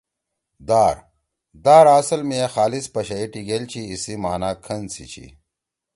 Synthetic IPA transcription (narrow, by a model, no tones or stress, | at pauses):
d̪aːɾ | d̪aːɾaːsɐlmexaːlispɐɕɐiʈiɡeːlt͡ɕʰiːsimaːnaːkʰɐnsit͡ɕʰḭ